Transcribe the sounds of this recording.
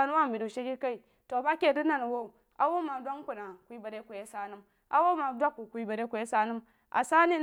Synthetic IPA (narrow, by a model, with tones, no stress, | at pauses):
a˦nu˦wa˦˨bi˨du˨ʃe˦ki˦ka˦i˨ | to˨ba˦ke˦˨di˦na˨n˨wo˦u˨ | ʔa˨wo˦ma˨dʷa˦ŋ˦kʷu˨na˨kʷi˦ba˨ɾe˦ku˨je˦sa˦nu˦m | ʔa̰˨wo˦ma˨dʷa˦ku˨kʷi˦ba˨ɾe˦ku˨je˦sa˦nu˦m | ʔa̰˨sa˦ni˦